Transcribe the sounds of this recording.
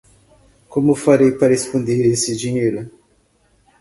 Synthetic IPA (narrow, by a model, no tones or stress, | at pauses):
kõmʊfaɾejpɾahespõnd̪eɾesɪd͡ʒiɲejɾɐ